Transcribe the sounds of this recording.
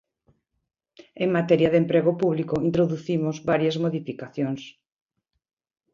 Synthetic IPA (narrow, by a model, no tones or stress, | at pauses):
eŋmat̪ɛɾjaðempɾeɣopuβlikoint̪ɾoðuθimʊzβaɾjɐzmoðifikaθjoŋs